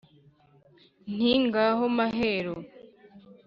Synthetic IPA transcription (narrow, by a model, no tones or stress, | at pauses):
n̥iŋɡaɦomaɦeːɾo